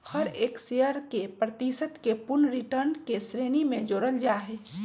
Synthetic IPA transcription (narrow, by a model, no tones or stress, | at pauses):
həɾeːksijəɾkepɾət̪isət̪kepʊnɾiʈəɾnkesɾeːnimẽd͡ʒoːɾəld͡ʒaːɦe